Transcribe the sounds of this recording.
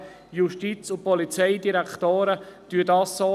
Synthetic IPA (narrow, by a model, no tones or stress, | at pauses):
juʃtit͡sʊpɔlit͡sɛɪdiɾæktoːɾət̪yədɑːsːoː